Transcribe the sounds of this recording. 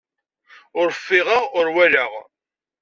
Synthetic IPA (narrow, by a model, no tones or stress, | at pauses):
ʊɾfːɪʁaʊɾwæləʁ